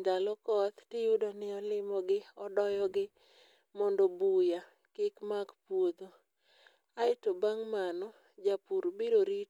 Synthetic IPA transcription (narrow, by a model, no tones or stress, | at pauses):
d̪alɔkɔt̪tɪjudɔnɪɔlɪmɔɡɪɔdɔjɔɡɪ | mɔndɔbuja | kɪkmaɡpwod̪o | aɪtobaŋmanɔ | d͡ʒapuɾbiɾoɾi